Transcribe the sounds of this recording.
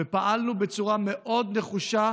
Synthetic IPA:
epaʔalnubet͡suʁameʔo̞d̪ne̞χuʃa

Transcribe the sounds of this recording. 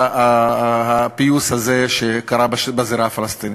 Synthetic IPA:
ahapiushazeʃekaɾabbaziɾafalast̪ini

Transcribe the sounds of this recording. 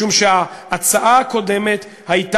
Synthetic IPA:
umʃeaːt͡saʔaako̞d̪e̞me̞t̪ | hajt̪

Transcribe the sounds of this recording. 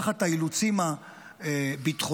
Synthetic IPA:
χat̪ailut͡sima | ebit̪χo

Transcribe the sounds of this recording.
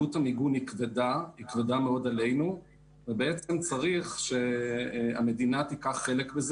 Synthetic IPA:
ut̪hamiɡunikvedahikvedameo̞d̪ale̞jnu | vebeet͡semt͡saʁiχʃe̞ | a̰me̞d̪inat̪ikaχːe̞lekbez

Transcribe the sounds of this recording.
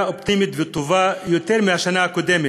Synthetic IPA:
opt̪imit̪vet̪ovajo̞t̪e̞ʁmihaʃanaako̞d̪e̞me

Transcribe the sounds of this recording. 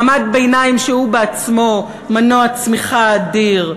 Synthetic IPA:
mad̪̚beenaimʃehubeat͡smo̞ | manoat͡smiχaːd̪iʁ

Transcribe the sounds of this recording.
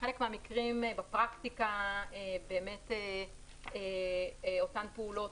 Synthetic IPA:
χelekmehamikʁimbapʁaktikaebe̞ːme̞te | e | o̞tanpeulo̞

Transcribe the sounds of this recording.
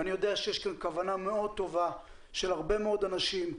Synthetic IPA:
anijo̞d̪eaʃejeʃkankavaname̞o̞d̪̚t̪o̞va | ʃelhaʁbe̞meo̞d̪anaʃim

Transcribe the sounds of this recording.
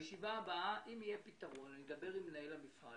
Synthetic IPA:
jʃivaːbaaʔimijepit̪aʁo̞nanied̪ɐbe̞ʁimenajelamifa

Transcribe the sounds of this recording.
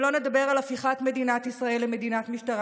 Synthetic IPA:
lo̞ne̞d̪abe̞ʁalafiχat̪me̞dinat̪isʁaelːeme̞d̪inatmiʃtaʁ

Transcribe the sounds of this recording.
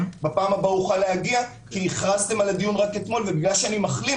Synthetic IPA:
bapaːmabauχaleaɡia | kiiχʁazt̪e̞malad̪ijunʁake̞t̪mo̞lve̞biɡlaʃeanimaχli

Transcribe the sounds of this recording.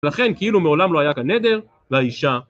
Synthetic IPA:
laχe̞nkeilumeolamlo̞ajakane̞d̪e̞ʁ | veaiʃa

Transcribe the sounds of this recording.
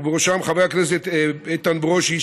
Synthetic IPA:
beoʃamχaveakneset̪et̪ːanbeʁoʃi

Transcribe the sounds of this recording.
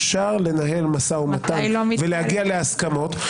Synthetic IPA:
ʃaʁle̞naɦe̞lmasaumat̪avelehaɡialeaskamo̞t

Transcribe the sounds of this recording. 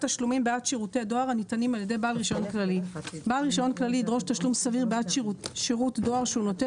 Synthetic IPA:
taʃlumimbeatʃiʁute̞ado̞aʁanitanimaljede̞jbaalʁiʃajonklalibaːlʁiʃajo̞nklaliːdʁo̞ʃtaʃlumsaviʁbeatʃiʁutdo̞aʁʃeuno̞te

